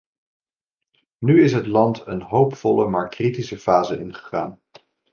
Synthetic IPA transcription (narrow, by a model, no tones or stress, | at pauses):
nyɪsɦətlɑntənɦowpfɔləmaːɹkritisəfaːzəɪnχə̥χa̰ːn